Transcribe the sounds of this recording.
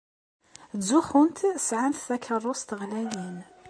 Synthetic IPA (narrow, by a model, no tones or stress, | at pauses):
zuxʊnt̪sʕanθðækʰərˤːʊst̪əɣlæjin